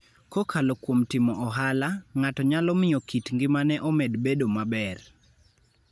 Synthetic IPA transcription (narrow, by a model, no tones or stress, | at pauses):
kɔkʰalɔkwomtɪmɔɔɦalaŋatɔɲalɔmɪjɔkitŋɡɪmanɛʔɔmɛdbedomabɛr